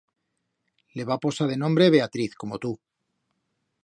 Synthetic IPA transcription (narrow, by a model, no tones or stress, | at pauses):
le̞βapo̞saðe̞nõ̞mbɾe̞β̞e̞at̪ɾiθko̞mo̞t̪u